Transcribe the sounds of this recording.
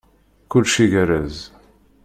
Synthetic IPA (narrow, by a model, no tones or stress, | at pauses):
kʊlːʃiʝəɾæz